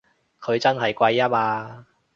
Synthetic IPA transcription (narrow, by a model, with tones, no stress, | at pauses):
kʰɵ˨˧ɥt͡sɐ˥nɦɐ˨˩jkʷɐ˧jːɐ˥p̚aː˧